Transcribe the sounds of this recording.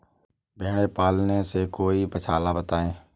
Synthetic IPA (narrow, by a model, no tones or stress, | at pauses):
bʱeːɳ̃eːpaːlnẽːseːkoːiːpət͡ʃʰaːlaːbət̪aːẽː